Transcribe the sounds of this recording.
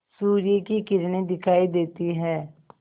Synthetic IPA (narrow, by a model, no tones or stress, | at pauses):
suːɾɪjekikɪɾneːd̪ɪkʰaːiːd̪eːt̪iːɦɛː